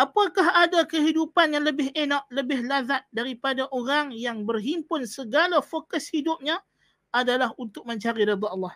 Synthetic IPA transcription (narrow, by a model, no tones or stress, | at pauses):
ʔapakaɦadakəɦidupanjaŋləbɪhenɔʔləbɪhlazat̪̚daɾipadaʔoɾaŋjaŋbərɦimpʊnsəɡalafokəshidʊp̚ɲa | ʔadalaɦunt̪ʊk̚mə̃ɲt͡ʃaɾiɾɪd̪ɑlːɑh